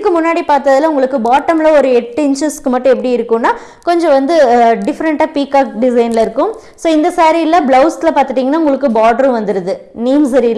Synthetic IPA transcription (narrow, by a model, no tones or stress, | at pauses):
ɯkːɯmʊnːaːɽipaːɾt̪ɐðɪlɐʊŋɡɐɭɯkːɯbaːʈːɐmlɐɔɾɯɛʈːɯɪɲd͡ʒɐskɯmɐʈːʊ̃ɛp̬ːɐɽiɪɾɯkːɯ̃nːaː | kɔɲd͡ʒɔ̃ʋɐnd̪ɯɖɪfɐɾɐɳʈaːpiːkaːk̚ɖɪsɐɪnlɐɪɾɯkːɯ̃m | soːɪnd̪ɐsaːɾiɪlːɐblɐʊsɪlɐpaːɾt̪ɯʈ̬ːiːŋɡɐnːaːʊŋɡɐɭɯkːɯbaːʈɐɾʊ̃ʋɐnd̪ɯɾɐðɯniːmsɐɾil